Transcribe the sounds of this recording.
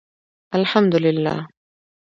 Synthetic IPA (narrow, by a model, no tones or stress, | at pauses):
ʔalħamd̪ʊlɪlːa̰ːh